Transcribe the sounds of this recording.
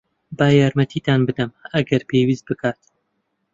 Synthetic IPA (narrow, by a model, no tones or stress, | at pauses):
baːjaːɾmɐt̪ʰiːt̪aːnbɨd̪ɐmɐɡɐɾpʰewiːst̪̚bɨkʰaːt̪